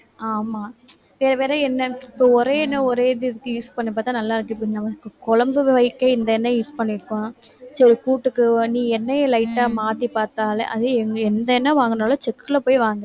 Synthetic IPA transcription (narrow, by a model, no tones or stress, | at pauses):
aːmaː | ʋeːɾɐʋeːɾɐɛnːɐɪpːoːɔɾeːnːɐɔɾeːðɯɪðɯkːɯjuːspɐɳːɪp̬ːaːɾt̪ãːnɐlːaːɪɾɯkːɯɪpːonɐmɐkːɯkɔlɐmbɯʋɐɪkːɐɪnd̪ɐɛnːɐjuːspɐɳːɪɾɯkːõːsɛkuːʈːɯkːɯnĩːɛnːɐjelɐɪʈːaːmaːt̪ipaːɾt̪aːlɛ̰ʔɐ̰ðɯɛŋɡɛnd̪ɐɛnːɐʋaːŋɡɐnaːlɐt͡ʃɛkːɯlɐpoːjʋaːŋɡɐ